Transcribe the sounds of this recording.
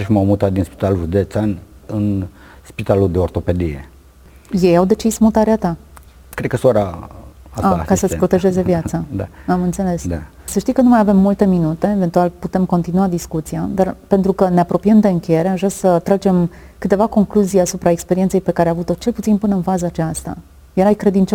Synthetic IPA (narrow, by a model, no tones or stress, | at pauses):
ʃmawmut̪at̪̚d̪inspi̥t̪alʒud̪et̪seanɨn | spit̪aluld̪eort̪o̞pe̞d̪ijḛ | je̞jawd̪e̞t͡ʃismut̪aɾeat̪a | kɾed̪kəsoɾaasakasəpɾo̞t̪e̞ʒe̞ze̞vjatsad̪a̰amɨnt̪se̞le̞sd̪a | səʃt̪ijkənumajave̞mːult̪e̞minut̪e̞ːve̞nt̪ualput̪e̞mko̞nt̪inuad̪iskut̪sijad̪arpe̞nt̪ɾukəne̞apɾo̞pijemd̪e̞ɨŋkʲe̞jeɾe̞aʒvɾasət̪ɾad͡ʒe̞m | kɨt̪e̞vako̞ŋkluzijasupɾaekspe̞ɾient̪se̞jpe̞kaɾeavut̪o̞t͡ʃe̞lput̪sinpɨnəɨnfazəːt͡ʃast̪a̰ | jeɾajkɾe̞d̪int͡ʃo